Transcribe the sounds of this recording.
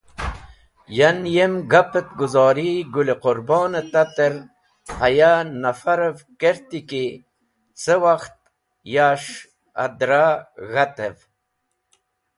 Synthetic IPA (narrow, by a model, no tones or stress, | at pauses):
janjemɡapet̪̚ɡuzɑːɾiɡuleqʊɾbɑːnet̪at̪əɾ | hajanafaɾevkeɾt̪iki | səwaxt̪̚ | jaʂ | a̰d̪ɾaɣat̪ev